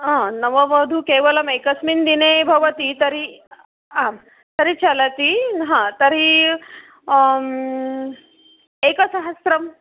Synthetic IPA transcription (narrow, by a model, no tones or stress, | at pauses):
ɦãnəʋəʋəd̪ʱukeʋəlɐmekəsmind̪inebʱɐʋət̪it̪əɾi | ɦã | t̪əɾit͡ɕalət̪iɦãt̪əɾi | ekəsɐɦəsɾɐm